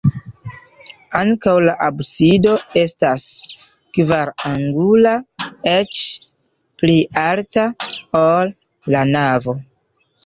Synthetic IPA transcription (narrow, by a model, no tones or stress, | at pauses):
aŋkawlaʔabsido̞e̞stas | kvaɾaŋɡulaet͡ʃ | pliʔaltaolː | anavo̞